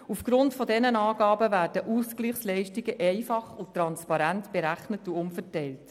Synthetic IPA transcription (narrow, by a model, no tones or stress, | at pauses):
ufɡ̥ɾʊntfɔdɛnənɑːɡɑːbəvæːɾd̥əʔuskliːχslɛɪʃtiɡəʔɛɪfɑχutɾɑnspɑɾæntb̥eɾæχnətuʊmfəɾtɛɪlt